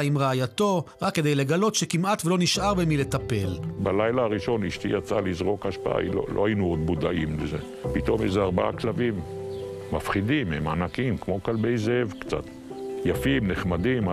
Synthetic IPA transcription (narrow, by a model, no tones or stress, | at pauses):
imʁaajat̪o̞ʁakːe̞d̪ejle̞ɡalo̞tʃekimat̪velo̞niʃʔaʁbemile̞t̪ape̞lbalajlaaʁiʃo̞niʃt̪ijat͡salizʁo̞khaʃpaa̰ḭlo̰lʔohajinuod̪̚bud̪aʔimlezḛ | pit̪o̞mḛjzeaʁbaa̰klavimː | afχid̪imḛma̰nakimkmo̞kalbe̞jzevkt͡sa̰t̪ | jafimneχmad̪im